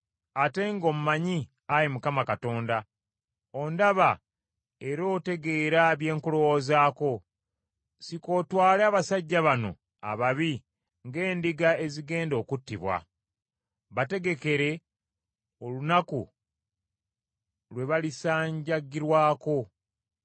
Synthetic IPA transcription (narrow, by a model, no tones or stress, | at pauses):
ate̞ŋɡo̞ːmumaɲi | aɾimukamakato̞ːnda | o̞ndaβa | e̞ɾo̞ːte̞ɡe̞ːɾaβje̞ːŋkulo̞wo̞zaːko̞ | siko̞ːtwaːleaːβasaɟːaβano̞̰ | a̰βaβi | ŋɡe̞ːndiɡae̞ziɡe̞ːndo̞ːkutːiβwa̰ | βate̞ɡe̞ke̞ɾe̞ | o̞lunaku | lwe̞βalisaːɲɟaɡːiɾwaːko̞